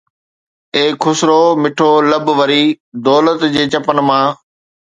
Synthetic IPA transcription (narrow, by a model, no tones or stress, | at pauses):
eːkʰːʊsɾoːmɪʈʰoːləbʋəɾiː | d̪ɔːlət̪d͡ʑeːt͡ɕɐpənmãː